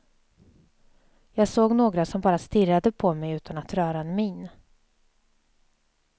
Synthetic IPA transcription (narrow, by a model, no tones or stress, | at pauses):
jɑːɡsoːɡnoːɡɾasɔmbɑːɾast̪ɪɾːad̪əpʰɔmɛjʉ̟ːt̪ʰanat̪ɾœːɾaɛnmɪn